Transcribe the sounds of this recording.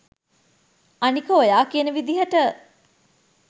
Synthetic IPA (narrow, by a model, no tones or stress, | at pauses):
anikəojaːkienəʋid̪iɦəʈə